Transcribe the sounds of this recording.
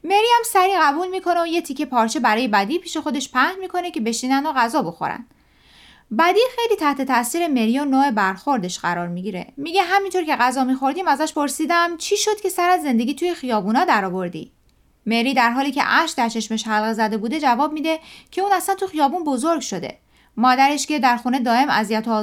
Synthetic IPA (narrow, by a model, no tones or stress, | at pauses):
me̞ɾiːhæmsæɾiːɣæbuːlmiːkʰo̞neoje̞t̪ʰicʰːepʰɒːɾt͡ʃʰe̞bæɾɒːje̞bæd̪iːpʰiːʃe̞xo̞d̪e̞ʃpʰæhmiːkʰo̞nece̞be̞ʃiːnænd̪oɣæzɒːbo̞xo̰ɾæ̰n̥ | bæd̪iːxe̞jliːt̪ʰæht̪e̞t̪ʰæsiːɾe̞me̞ɾijɔnoːe̞bæɾxo̞ɾd̪e̞ʃɢæɾɒːɾmiɟiɾe̞̰miːɟe̞ɦæmint̪o̞ɾce̞ɣæzɒːmiːxo̞ɾd̪iːmæzæʃpʰo̞ɾsiːd̪æmt͡ʃʰiːʃo̞d̪̥cʰe̞sæɾæzːe̞nd̪e̞ɡʲiːt̪ʰuːje̞xijɒːbuːnɒːd̪æɾɒːbo̞ɾd̪ḭ | me̞ɾiːd̪æɾɦɒːliːcʰe̞̰ʔæʃd̪æɾt͡ʃʰe̞ʃmeʃhælɣezæd̪e̞buːd̪e̞d͡ʒævɒːb̚miːd̪e̞cʰe̞uːnæslænt̪ʰuxijɒːbunbo̞zoɾɡʃo̞d̪e̞̰ | mɒːd̪æɾe̞ʃcʰe̞d̪æɾxune̞d̪ɒːe̞mæ̰zijæt̪ʰo